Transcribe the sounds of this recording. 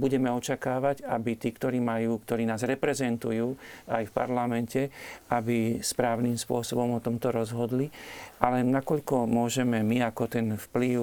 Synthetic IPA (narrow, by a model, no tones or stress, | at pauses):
buɟɛmɛɔt͡ʃakaːʋaɟabit̪iːkt̪ɔɾiːmajuːk̚t̪ɔɾiːnaːzɾɛpɾɛzɛnt̪ujuːajfpa̰ɾlamɛncɛabispɾaːʊnimspʊɔsɔbɔmɔt̪ɔmt̪ɔɾɔzɦɔd̪liʔalɛnakɔʎkɔmʊɔʒɛmɛmiakɔt̪ɛnfpliʊ